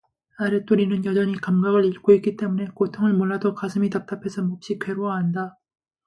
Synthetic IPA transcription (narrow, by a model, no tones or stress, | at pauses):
aɾet͈oɾinɯnjʌd͡ʑʌɲikamɡaɡɯɭiɭk͈oik͈it͈e̞mune̞kotʰoŋɯɭmoɭːadokasʰɯmitap̚t͈apʰe̞sʰʌmop̚ɕ͈ikʰwe̞ɾoaɦanda